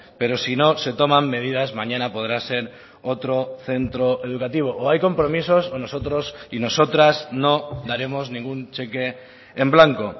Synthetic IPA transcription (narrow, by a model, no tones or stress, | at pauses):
pe̞ɾo̞sino̞se̞t̪o̞mãmːe̞ð̞iðazmãɲãnapo̞ð̞ɾase̞ɾ | o̞t̪ɾo̞θe̞nt̪ɾo̞ʔe̞ðukat̪iβ̞o̞ʔoajko̞mpɾo̞miso̞sono̞so̞t̪ɾosino̞so̞t̪ɾazno̞ðaɾe̞moznĩŋɡunt͡ʃeke̞ː | mblaŋko̞